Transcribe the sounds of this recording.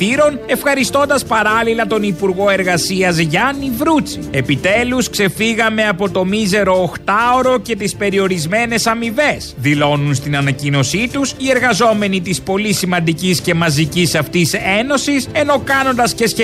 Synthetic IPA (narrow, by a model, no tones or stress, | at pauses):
iɾo̞ne̞fxɐɾist̪o̞nd̪ɐspɐɾɐlilɐt̪o̞nipuɾɣo̞e̞ɾɣɐsiɐzʝɐnivɾut͡sie̞pit̪e̞luskse̞fiɣɐme̞ɐpo̞t̪o̞mize̞ɾo̞ːxt̪ɐo̞ɾo̞ce̞t̪ispe̞ɾio̞ɾizme̞ne̞sɐmive̞sðilo̞nunst̪inɐnɐcino̞sit̪usie̞ɾɣɐzo̞me̞nit̪ispo̞lisimɐnd̪icisce̞mɐzicisɐft̪ise̞no̞sise̞no̞kɐno̞nd̪ɐsce̞sçe